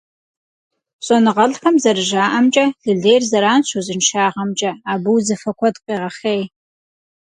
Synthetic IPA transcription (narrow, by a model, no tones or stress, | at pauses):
ɕʼɔnɨʁɐɮxɐmzɐrɨʒaːʔɐmt͡ʃʼɐɮ̥ɨɮeːjrzɐɾaːnɕʰʷuzɨnʃaːʁɐmt͡ʃʼɐaːbɨwzɐfɐkʷʰɔdqʼeːʁɐχeːj